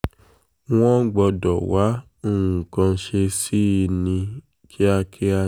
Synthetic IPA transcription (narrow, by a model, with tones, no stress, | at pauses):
w̃ɔ̃˦ɡ͡bɔ˧dɔ˨wa˨˦ | o˦˨ũ˨kã˧˦ʃe˧si˦˧nĩ˧ | kʰi˦a˧kʰe˦a˧